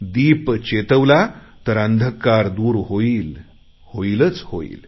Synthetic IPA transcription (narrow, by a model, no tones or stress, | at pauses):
d̪iːpt͡ɕet̪əʋla | t̪əɾənd̪ʱəkːaɾd̪uːɾɦoiːl | hoilət͡shoḭːl